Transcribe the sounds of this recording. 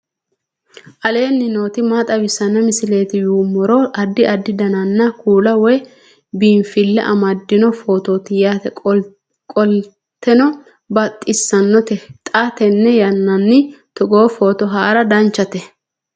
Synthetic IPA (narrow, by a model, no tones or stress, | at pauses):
ʔɐle̞ːnːɪno̞ːt̪ɪmaːt̪ʼɐbɪsɐnːɐmɪsɪle̞ːt̪ɪjuːmːɔɾɔʔɐd̪ːɪʔɐd̪ːɪd̪ɐnɐnːɐkuːlɐwɔj | biːnfɪlːɛ̰ʔɐmɐd̪ːɪnɔfoːt̪oːt̪ɪjaːt̪ɛ | kʼɔl | t̪ːɛnɔ | bɐt̪ʼːɪsːɐnːɔt̪ɛt̪ʼat̪ɛnːɛjɐnːɐnːɪt̪ɔɡo̞ːfo̞ːt̪ɔɦaːɾɐd̪ɐnt͡ʃːɐt̪ɛ